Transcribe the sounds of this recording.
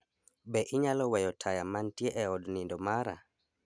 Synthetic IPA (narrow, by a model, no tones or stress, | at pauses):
bɛʔiɲalɔwɛjɔtʰajamantjeʔɛɔdnindɔmaɾa̰